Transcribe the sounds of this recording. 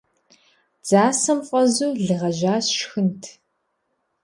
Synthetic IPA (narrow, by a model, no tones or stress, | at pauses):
d͡zaːsɐmqʷʼɔzuːɮɨʁɐʒaːsʃxɨntʰ